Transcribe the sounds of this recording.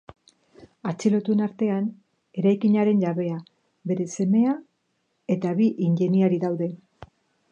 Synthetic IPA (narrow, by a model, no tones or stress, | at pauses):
at͡silo̞t̪uenaɾt̪e̞an | e̞ɾajkiɲaɾe̞nʝaβe̞a | βe̞ɾe̞se̞me̞a | e̞t̪aβiʔinʎe̞niaɾiðawðe̞